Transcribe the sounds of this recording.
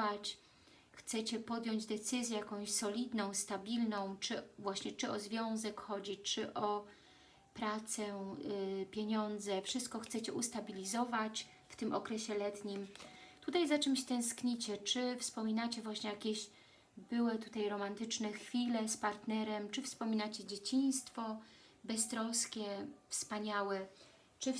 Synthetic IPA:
at͡ɕ | xt̪sɛt͡ɕɛpɔd̪jɔɲd͡ʑd̪ɛt̪sɘzʲjɛjakɔ̃w̃ɕsɔlʲid̪nɔ̃w̃st̪abʲilnɔ̃w̃t͡ʂɘvwaɕɲɛt͡ʂɘɔzvʲjɔ̃w̃zɛkxɔd͡ʑit͡ʂɘʔɔ | pɾat̪sɛ | pʲjeɲɔnd̪zɛfʂɘst̪̚kɔxt̪sɛt͡ɕɛʔust̪abʲilʲizɔvat͡ɕ | ft̪ɘmʔɔkɾɛɕɛlɛt̪ɲimt̪ut̪ajzat͡ʂɘmɕt̪ɛ̃w̃skɲit͡ɕɛt͡ʂɘfspɔmʲinat͡ɕɛvwaɕɲɛjakʲeɕ | bɘwɘt̪ut̪ajɾɔmant̪ɘt͡ʂnɛxfʲilɛspaɾt̪nɛɾɛmt͡ʂɘfspɔmʲinat͡ɕɛd͡ʑet͡ɕij̃st̪fɔ | bɛst̪ɾɔskʲɛfspaɲawɛ | t͡ʂɘ

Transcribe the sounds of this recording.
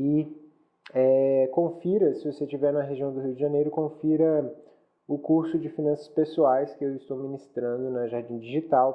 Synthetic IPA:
ɪ | ɛkõfiɾɐsɪvoset͡ʃivɛɾnɐɦeʒiɐ̃w̃d̪ʊɦiwd͡ʒɪʒɐ̃nejɾʊkõfiɾɐ | ʊkuɾsʊd͡ʒɪfinɐ̃sɐ̥spesuajskɪewɪst̪owminist̪ɾɐ̃nd̪ʊnɐʒaɾd͡ʒĩd͡ʒiʒit̪aw

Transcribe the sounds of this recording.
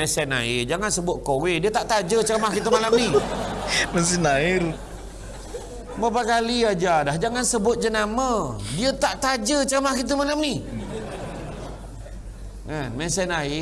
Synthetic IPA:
mɛsɛna̰id͡ʒaŋansəbʊt̪̚kowɪdiət̪aʔt̪ad͡ʒət͡ʃəɾəmahkit̪̬əmalamni | məns̬inaiɾu | mapakaliad͡ʒadahd͡ʒaŋansəbʊt̪̚d͡ʒənamədiət̪aʔt̪ad͡ʒət͡ʃəɾəmakit̪̬əmalamni | ŋanmɛsɛnai

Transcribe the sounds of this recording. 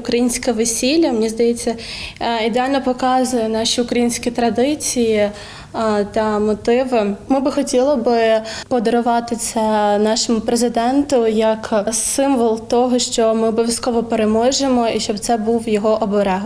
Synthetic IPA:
ʊkɾɐjinʲsʲkɐʋesʲilʲːɐmnʲizd̪ɐjɛt͡sʲːɐid̪eɑlʲnɔpɔkɑzʊjɛnɑʃʲiʊkɾɐjinʲsʲkʲit̪ɾɐd̪ɪt͡sʲiji | t̪ɐmɔt̪ɪʋɪmɪbɪxɔtʲilˠɔbɪpɔd̪ɔɾʊʋɑt̪ɪsʲɐnɑʃɔmʊpɾezɪd̪ɛnt̪ʊjɐksɪmʋɔlˠt̪ɔɦɔʃt͡ʃɔmɪɔbɔʋʲjɐskɔʋɔpeɾemɔʒemɔiʃt͡ʃɔbt̪sɛbuwjɔɦɔʔɔbɔɾɛɦ

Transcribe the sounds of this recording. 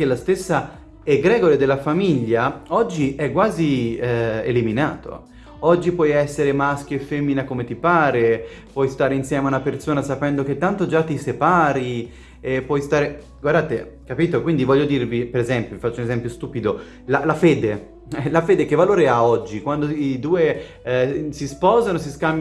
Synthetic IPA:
kelːast̪esːa | ɛɡɾɛɡoɾed̪elːafamiʎːaɔd͡ʒːiʔɛkːwaːzi | ḛlimina̰ːt̪o̰ | ɔd͡ʒːipwɔjɛsːeɾemaskjoefːemːinakomet̪ipaːɾe | pwɔjst̪aːɾeinsjɛːmeaunapersoːnasapɛnd̪ok̟et̪ːant̪od͡ʒat̪ːisepaːɾi | ɛpwɔjst̪aːɾe | ɡward̪aːt̪e | kapiːt̪okwind̪ivɔʎːod̪irvipeɾezɛmpjovifat͡ʃːounezɛmpjost̪uːpid̪o | lalafeːd̪e | ɛlafeːd̪ekevːaloːɾeaɔd͡ʒːikwand̪oid̪uːe | sispɔːzanos̬iskambj

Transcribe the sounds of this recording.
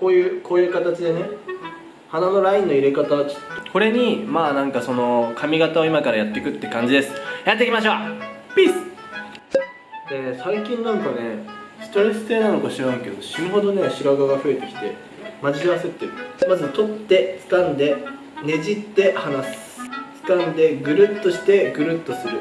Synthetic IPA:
ko̞ːjɯ̟ːkʰo̞ːjɯ̟ːkat̪at͡ɕid̪e̞ne̞ | hanano̞ɾaĩnːo̞iɾe̞kat̪at͡ɕo̥t̪ːoko̞ɾe̞ɲ̟imaːnãŋkaso̞no̞kʰamʲiɡat̪aoimakaɾajat̪ːe̞kɯ̟t̪ːekãɲ̟d͡ʑid̪e̞sɨ̥jat̪ːekʲimaɕ̬o̞ːpʲisɨ̥ | d̪̥esaikʲĩnːãŋkane̞sɨ̥t̪o̞ɾe̞sɨ̥se̞ːnano̞kaɕiɾãĩke̞̰d̪o̞ɕiɦo̞d̪o̞neɕiɾaɡaɡaɸɯ̟e̞t̪e̞kʲi̥t̪e̞̰ | mad͡ʑiiβaset̪ːeɾɯ̟mazɨt̪o̞t̪ːe̞t͡sɨ̥kãnd̪e̞ | ne̞ʑit̪ːe̞hanasɨ̥t͡sɨ̥kãnd̪e̞ɡɯ̟ɾɯ̟t̪ːo̞ɕi̥t̪e̞ɡɯ̟ɾɯ̟t̪ːo̞sɨɾɯ̟

